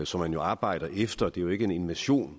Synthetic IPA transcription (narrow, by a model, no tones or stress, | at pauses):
sɒ̽mːænjo̝ɑ̈ːb̥ɑ̈ɪ̰d̥ɐʔefd̥ɐd̥e̝joe̝ɡ̥əe̝ne̝nʋæɕo̝̰ːn